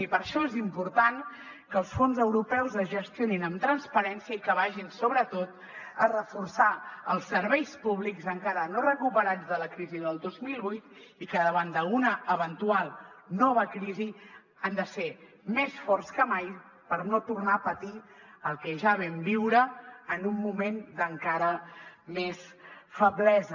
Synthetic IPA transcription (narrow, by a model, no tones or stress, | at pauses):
ipəɾʃɔezimpuɾt̪an | kəːlˠsfonzəwɾupɛwzəzʒəst̪ijoninəmt̪ɾənspəɾɛnsiəikəβaʒinsoβɾət̪ot̪̚ | ərəfursaəlˠsəɾβɛjspuβlikzəŋkaɾənorəkupəɾad͡zðələkɾiziðəlˠd̪ozmilˠβujt̪ikəðəβand̪əunəəβənt̪ualˠnɔβ̞əkɾizi | and̪əse | mesfɔrskəmaj | pəɾnot̪urnapət̪i | əlˠkɛʒaβɛmbiwɾəənumːumend̪əŋkaɾəmesfəβlɛzə